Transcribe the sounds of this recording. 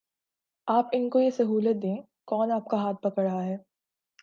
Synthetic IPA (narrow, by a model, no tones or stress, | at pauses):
aːpɪnkojesɐɦuːlət̪̚d̪ẽː | kɔːnaːp̚kaɦaːt̪̚pɐkəɽəɦaɦɛː